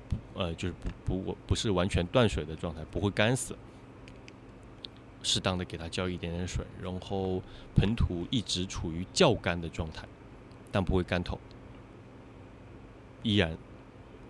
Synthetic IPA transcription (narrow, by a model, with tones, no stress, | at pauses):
pu˧˥ə˧t͡ɕjo˥˧ʊʂ̩˥˩pu˧˥pu˧˥˨pu˧˥ʂɻ̩˥˩wa˧˥nt͡ɕʰɥɛ˧˥nt̪wa˥˩nʂwe˨˩ɪd̪ə˦ʈ͡ʂwɑ˥˧ŋt̪ʰa˥˩ɪpu˧˥xwe˥˩ɪka˥nsɹ̩˨˦ | ʂɻ̩˥˩t̪ɑ˥ŋd̪ə˩ke˨˩ɪt̪ʰa˥t͡ɕjɑ˥˧ʊi˥˩t̪jɛ˧˥nɛ˧˥nʂwḛ˨˩ɪɻa˧˥nxo˥˩ʊpʰə˧˥nt̪ʰu˧˥i˥˩ʈ͡ʂɻ̩˧˥ʈ͡ʂʰu˨˩y˧˥t͡ɕjɑ˥˩ʊka˥nd̪ə˨ʈ͡ʂwɑ˥˧ŋt̪ʰa˥˩ɪ | t̪a˥˩npu˧˥we˥˩ɪka˥nt̪ʰo˨˩˦ʊ | i˥ɻa˧˥n